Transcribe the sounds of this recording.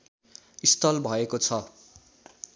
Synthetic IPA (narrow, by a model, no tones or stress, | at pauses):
ist̪ʌlbʱʌekot͡sʰʌ